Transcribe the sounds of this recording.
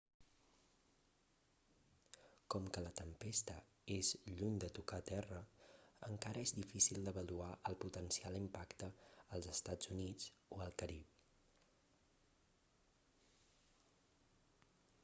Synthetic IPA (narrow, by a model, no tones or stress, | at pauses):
kɔmkələt̪əmpest̪ə | ezʎuɲd̪ət̪ukat̪ɛrəəŋkaɾəezd̪ifisilˠd̪əβəluaʔəlˠput̪ənsialˠimpakt̪əːlˠzəst̪ad͡zunid͡zoəlˠkəɾip